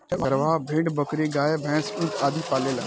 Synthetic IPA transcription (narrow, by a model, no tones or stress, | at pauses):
eʔəɾʋaːbʱẽːɳɖbəkɾiɡaːjebʱɛ̃ːsʊ̃nt̪ʰaːd̪ʱipaːleːla̰